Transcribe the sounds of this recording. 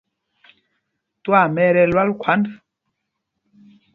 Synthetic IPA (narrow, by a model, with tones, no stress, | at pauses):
twa˦˨mɛ˦ɾɛ˦lwa˦lkʰwa˨˦nda˨